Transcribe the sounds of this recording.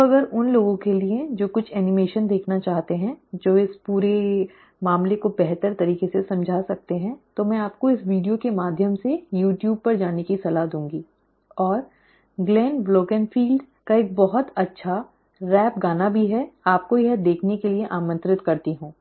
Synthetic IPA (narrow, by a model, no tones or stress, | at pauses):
t̪oɐɡəɾʊnloːɡõkelied͡ʒoːkʊt͡ʃʰɛːnɪmeːʃənd̪eːkʰnat͡ʃaːɦt̪eɦɛ̃d͡ʒoːɪspuːɾe | maːmlekobɛɦt̪əɾt̪ɐɾiːkesesɐ̃md͡ʒʱaːsɐk̚t̪eɦɛ̃t̪omɛ̃aːp̚koɪsʋiːɖijokemaːd̪ʱjəmsejuːʈjuːb̚pɐɾd͡ʒaːnekisɐlaɦd̪ũːŋɡiː | ɔːɾ | ɡlɛːnbloːkə̃nfiːlɖ | kaeːk̚bɐɦʊt̪ɐtːʃʰa | ɾɛːp̚ɡaːnabʱiɦɛaːp̚kojɛd̪eːkʰnekelieʔaːmə̃nt̪ɾɪt̪kɐɾt̪iɦũː